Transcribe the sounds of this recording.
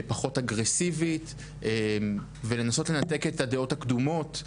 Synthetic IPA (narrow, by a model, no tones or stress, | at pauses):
paχo̞taɡʁesivit | em | vele̞naso̞tle̞nat̪e̞ket̪ad̪eo̞thakd̪umo̞t